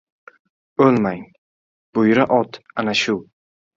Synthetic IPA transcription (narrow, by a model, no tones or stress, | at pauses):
ɵlmaŋ | b̥ʊjɾaʔɒt̪anaʃʊ